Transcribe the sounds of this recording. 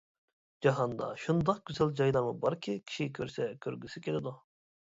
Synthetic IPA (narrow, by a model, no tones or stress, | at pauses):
d͡ʒɑɦɑnd̪ɑ̰ʃund̪ɑq̚ɡʲyzɛlʲd͡ʒɑjlˠɑɾmɯbɑɾkʲʰikʲʰi̥ʃikʲʰøɾsɛkʲʰøɾɡʲysikʲʰelʲɪd̪u